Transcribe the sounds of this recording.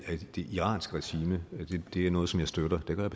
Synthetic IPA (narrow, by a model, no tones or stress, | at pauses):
æd̥e̝ʔiʁɑ̰̈ːnsɡ̥əʁɛɕiːməd̥ed̥e̝æɐnɔ̽ːð̩ˠsɒ̽mjɑ̈ɪsd̥øɾ̥ɐd̥eɡ̥ɶɐjbʰ